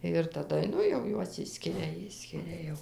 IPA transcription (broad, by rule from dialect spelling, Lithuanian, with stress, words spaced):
ɪr tɐˈdɐ ˈnʊ jɛʊ ˈjuɔs ˈɪʃʲsʲkʲɪrʲɛ ˈɪʃʲsʲkʲɪrʲɛ jɛʊ